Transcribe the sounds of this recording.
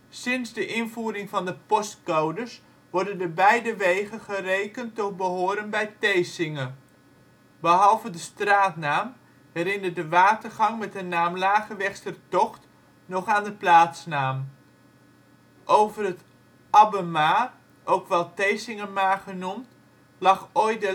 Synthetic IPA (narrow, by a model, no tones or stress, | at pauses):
sɪnzdəʔɪnvuːɾɪŋvɑndəpɔstkowdəɹs | ʋɔɹdəndəbɛjdəʋejχənχərejkəntɔt̚bəɦʊːɾənbɛjtejsɪŋən | bəɦɑlˠvədəstraːtnaːm | ɦɛɾɪnədəʋaːtərχɑŋmɛtənaːmlaːχəʋɛχstərtɔχt | nɔχaːndəplaːtsnaːm | ʔowvərət | ɑbəma | ʔowkʋɛlˠtejsɪŋəmaːχənumt | lɑχoj̚də